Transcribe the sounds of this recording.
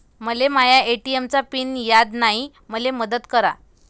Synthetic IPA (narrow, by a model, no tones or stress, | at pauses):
məlemajaeʈiemt͡sapinjad̪nai | məleməd̪ət̪kəɾa̰